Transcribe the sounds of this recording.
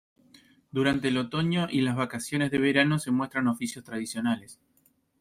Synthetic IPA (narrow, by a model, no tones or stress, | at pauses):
d̪uɾant̪eːlo̞t̪o̞ɲo̞ʔilazβakasjo̞ne̞zðe̞βe̞ɾano̞se̞mwe̞st̪ɾano̞fisjo̞st̪ɾað̞isjo̞nales